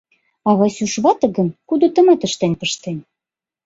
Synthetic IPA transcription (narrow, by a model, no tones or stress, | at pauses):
ɑβɑsʲyʃβɑt̪ɤ̆ɣənkud̪ot̪ə̆met̪əʃt̪enʲpəʃt̪enʲ